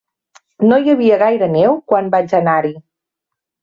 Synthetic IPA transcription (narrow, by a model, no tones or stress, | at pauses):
nojəβ̞iəɣajɾənɛwkwambad͡ʒənaɾi